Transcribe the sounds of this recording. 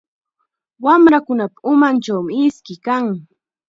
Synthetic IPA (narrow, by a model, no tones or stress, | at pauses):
wamɾakʊnapḁʊmant͡ʃawmɪɪskɪkaŋ